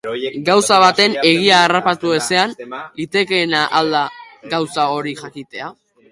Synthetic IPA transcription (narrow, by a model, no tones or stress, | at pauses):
ɡawsaβ̞at̪e̞ne̞ɣiaːrapat̪ue̞se̞anlit̪e̞ke̞ːnaʔald̪aɡawsao̞ɾiʝakit̪e̞a